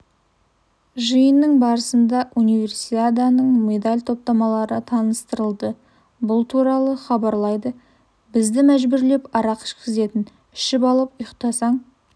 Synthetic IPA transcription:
ʒəjənːəɴbɑɾəsənd̪ɑʔunijve̞rsit̪ad̪anəɴmed̪alʲt̪ʰo̞p̚t̪ɑmɑlˠɑɾət̪ʰɑnəst̪əɾəlˠd̪ə | bʊlˠt̪ʰuɾɑlˠəχɑbɑɾlˠɑjd̪ə | bɪzd̪ɪmæʒbɪɾle̞pɑɾɑqɪ̥ʃkʲʰɪze̞t̪ɪn | ɪ̥ʃɪpɑlˠəpʊjqt̪ɑsɑɴ

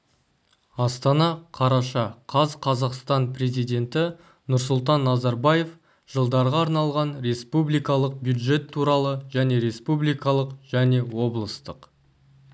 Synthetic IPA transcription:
ɑst̪ɑnɑqʰɑɾɑʃɑqʰɑzqʰɑzɑqst̪ɑnpre̞zijd̪e̞nt̪ɪ | nʊɾsʊlˠt̪̬ɑnːɑzɑɾbɑje̞f | ʒ̥əlˠd̪ɑɾʁɑːɾnɑlˠʁɑnɾe̞spublijkɑlˠəq̚bjud̪ʒe̞t̪ʰːuɾɑlˠəʒæne̞ɾe̞spublˠijkɑlˠəqʒ̥æne̞wo̞blˠəst̪əq

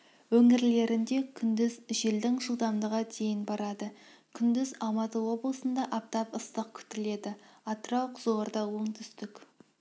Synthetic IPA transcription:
wɵŋɪɾle̞ɾɪnd̪e̞kʲʰʏnd̪ɪzʒe̞ld̪ɪŋʒəlˠd̪ɑmd̪əʁɑd̪e̞jɪnbɑɾɑd̪əkʲʰʏnd̪ɪzɑlˠmɑt̪əwo̞blˠəsənd̪ɑʔɑp̚t̪ɑpəst̪əq̚kʲʰʏ̥t̪ɪle̞d̪ɪɑt̪əɾɑwqʰzoɾd̪ɑwoɴt̪ʰʏst̪ɪkʲ

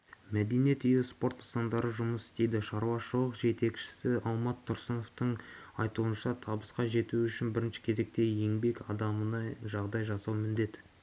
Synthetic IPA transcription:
mæd̪e̞niet̪ʰʏjɪspo̞ɾt̪əsɑnd̪ɑɾəʒʊməsɪ̥st̪e̞jd̪ɪʃɑɾwɑʃəlˠəqʒe̞t̪e̞kʃɪ̥sɪɑlˠmɑt̪ʰːʊɾsəno̞ft̪əɴ | ɑjt̪uənʃɑt̪ʰɑbəsqɑʒe̞t̪uʏʃɪnbɪɾɪnʃɪ̥kʲʰe̞ze̞k̚t̪e̞jje̞ŋbe̞kɑd̪ɑmənɑʒɑʁd̪ɑjʒɑsɑwmɪnd̪e̞t̪

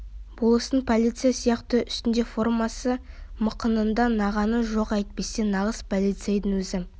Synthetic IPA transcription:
bolˠəsəɴpʰolʲijt̪sɨjasijɑqt̪əʏst̪ɪnd̪e̞fo̞rmɑsəməqənənd̪ɑnɑʁɑnəʒo̞qæjt̪̚pe̞se̞nɑʁəspʰolʲˠijt̪sɑjd̪əŋwɵzɪ

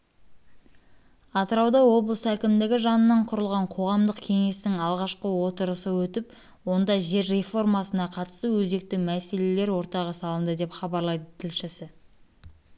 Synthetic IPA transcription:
ɑt̪əɾɑwd̪ɑwo̞blˠəsækʲɪmd̪ɪɡʲɪʒɑnənɑɴqʰʊɾəlˠʁɑɴqʰo̞ʁɑmd̪əqkʲʰe̞ŋe̞sɪŋɑlˠʁɑʃqəwo̞t̪əɾəsəwɵt̪ɪp | wo̞nd̪ɑʒe̞ɾːe̞fo̞rmɑsənɑqʰɑt̪ə̥st̪əwɵze̞k̚t̪ɪmæse̞le̞le̞ɾwo̞ɾt̪ɑʁəsɑlˠənd̪əd̪e̞pχɑbɑɾlˠɑjd̪ət̪ʰɪlʃɪsɪ

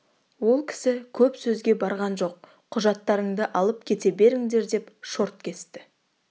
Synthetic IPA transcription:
wo̞lˠkʲʰɪ̥sɪkʲʰɵpsɵzɡʲe̞bɑɾʁɑnʒo̞q̚ | qʰːʊʒɑt̪ːɑɾəɴd̪əʔɑlˠəpkʲʰe̞t̪e̞be̞ɾɪŋd̪e̞ɾd̪e̞pʃo̞ɾt̪kʲʰe̞st̪ɪ

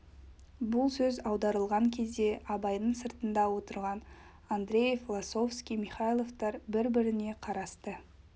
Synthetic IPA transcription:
bʊlˠsɵzɑwd̪ɑɾəlˠʁɑŋkʲʰe̞zd̪e̞ʔɑbɑjnəɴsəɾt̪ənd̪ɑwo̞t̪əɾʁɑn | and̪ɾʲe̞jeflˠaso̞fskʲijmiχajlˠo̞vt̪ɑɾbɪɾbɪɾɪne̞qʰɑɾɑst̪ə

